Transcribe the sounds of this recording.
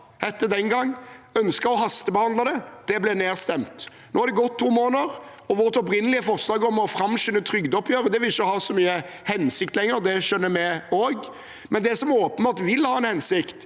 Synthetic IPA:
ɛt̪ːəd̪ɛnɡɑŋːœnskəɾɔɦɑst̪əbəhɑnd̪ɑd̪ɛd̪̥ɛblɛneːʁst̪ɛmt̪ | noːhɑɾd̪ɛɡɔt̪ʰːuːmoːnəʁ | ɔʋɔʁt̪ɔp̬ɾɪnəlɪəfɔʁslɑːɡɔmɔfɾɑmʃʏnːət̪ʰɾʏɡd̪ɔpʰjøːɾəd̪ɛʋɪlɪçːəhɑːsɔmyːə | hɛnsɪk̚t̪lɛŋːəɾd̪ɛʃœnːəmɛoːɡ | mɛnd̪ɛsɔmoːpənbɑt̪ʋɪlhɑːɛnhɛnsɪkt̪

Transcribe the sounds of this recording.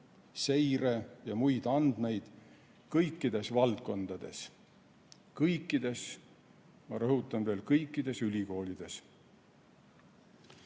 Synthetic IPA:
se̞jrejɑmujd̪̥ɑnd̪̥me̞jd̪̥ | kɤjkːˑid̪̥e̞svɑlt̪̚ko̞nd̪̥ɑd̪̥e̞̰s | kɤjkˑːid̪e̞s | mɑɾɤɦut̪ːˑɑnve̞ːlkɤjkːˑid̪̥e̞sylʲiko̞ːlid̪̥e̞s

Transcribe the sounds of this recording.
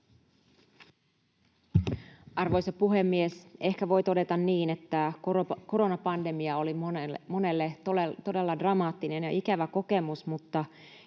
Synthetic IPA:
ɑrʋo̞jsɑpuɦe̞mːiese̞hkæʋo̞jt̪o̞de̞t̪ɑnːiːne̞t̪ːæko̞ɾo̞nɑpɑnde̞miɑo̞limo̞ne̞lːett̪o̞de̞lːɑdrɑmɑːt̪ːine̞njɑ̰ʔikæʋæko̞ke̞musmut̪ːɑ

